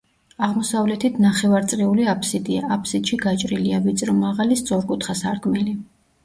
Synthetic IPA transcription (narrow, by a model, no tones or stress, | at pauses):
aʁmɔsavlɛt̪ʰit̪ʰnaχɛvaɾt̪sʼɾiuliapʰʼsid̪ia̰apʰsid̪̥ʃiɡat͡ʃʼɾiliavit̪sʼɾɔmaʁalist̪sʼɔɾkʼut̪ʰχasaɾkʼmɛli